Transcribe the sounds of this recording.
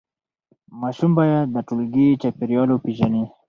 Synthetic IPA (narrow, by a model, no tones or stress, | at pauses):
maʃumbajad̪aʈulɡit͡ʃapiɾjɑlopiʒani